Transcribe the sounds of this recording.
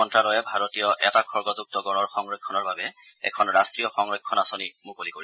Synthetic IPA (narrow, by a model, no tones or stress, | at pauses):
ɔntɹalɔjɛbʱaɹotijɔʔɛtakʰɔɹɡɔzuk̚tɔɡɔnɔɹxɔŋɹekʰːɔnɔɹbabɛ | ɛ̰kʰɔnɹastɹijɔxɔŋɹekʰːɔnasonimukolikoɹi